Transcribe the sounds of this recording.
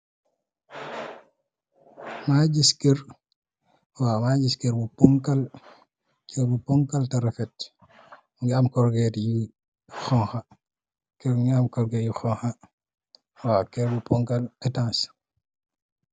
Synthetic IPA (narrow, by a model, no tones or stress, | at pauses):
maɟiskeɾ | wamaɟiskɛɾbupɔŋkal | kɛbupɔŋkaltaɾɛfɛt̚ | ŋɡamkɔɾɡɛtji | xɔŋxa | kɛɾŋɡamkɔɾɡɛjixɔŋxa | wakɛɾbupɔŋkalɛtãns